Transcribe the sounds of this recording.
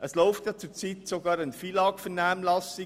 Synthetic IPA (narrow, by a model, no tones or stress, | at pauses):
ʔəsloʊftɑt͡suːt͡siːtsoɡɑːɾanfiːlɑːkfənæmnlɑsɪ